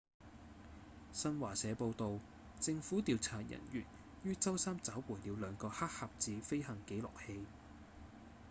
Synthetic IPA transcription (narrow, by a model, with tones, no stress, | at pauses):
sɐ˥nwaː˨˩sɛː˨˧po˧wt̪o˨˧w | t͡sɪ˧ŋfuː˨˥t̪iː˨˧wt͡sʰaː˨˩jɐ̰˨˩njy̰ː˨˩n | jyː˥t͡sɐ˥wsaː˥mt͡sɐ˨˥wpuː˨˩jliː˨˧wlœː˨˧ŋkɔː˧haː˥k̚ha˧p̚t͡siː˨˧fe˥jhɐ˨˩ŋke˨˥jlɔ̰ː˨k̚he˧j